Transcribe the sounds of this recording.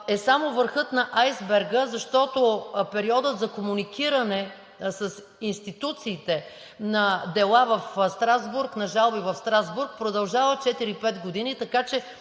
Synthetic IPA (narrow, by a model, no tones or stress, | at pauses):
ɛsamovəɾxɤt̪nɐʔajzbɛɾɡəzɐʃt̪ɔt̪opɛɾiɔd̪ət̪zɐkomunikiɾɐnɛ | səs | inst̪it̪ut̪siːt̪ɛ | nɐd̪ɛlˠavɐfst̪ɾazbuɾknɐʒalˠbivɐfst̪ɾazbuɾk̚pɾod̪ɐlˠʒavɐt͡ʃɛt̪iɾipɛt̪ɡod̪init̪ɐkat͡ʃɛ